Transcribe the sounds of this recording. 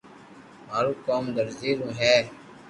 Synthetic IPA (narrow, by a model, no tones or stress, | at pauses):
maːɾuːkaːmd̪əɾziːɾũːɦɛː